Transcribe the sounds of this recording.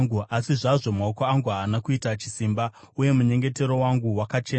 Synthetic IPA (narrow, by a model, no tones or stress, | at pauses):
ɡuasiʐaʐo̞maokoaŋɡuɦaːnakuitat͡ʃi̥simba | uje̞muɲe̞ŋɡe̞te̞ɾo̞waŋɡuwakat͡ʃeːn